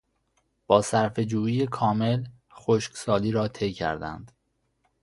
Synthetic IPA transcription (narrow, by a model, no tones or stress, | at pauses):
b̥ɒːsæɾfe̞d͡ʒuːiːje̞kʰɒːme̞l | xoʃcsɒːliːɾɒːt̪ʰe̞jcʰæ̰ɾd̪æ̰nd̪̥